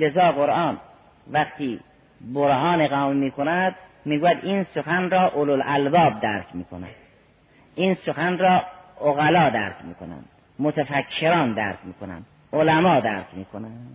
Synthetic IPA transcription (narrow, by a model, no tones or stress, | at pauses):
lezɒːɣoɾʔɑːn | ʋæχt̪ʰiː | boɾɦɒːneɣɒːmemiːkʰonæd̪̚miːɡuːjæd̪ʔiːnsoxænɾɒːʔololʔælbɒːb̚d̪æɾkʰmḭːkʰonæ̰̥ | ʔiːnsoxænɾɒːoɣælɒːd̪æɾkʰmḭːkʰo̰næ̰nd̪ | mot̪ʰæfækʰːeɾɒːnd̪æ̰ɾkʰʲmiːkonæ̰n | olæmɒːd̪æɾkʰmiːkʰonæm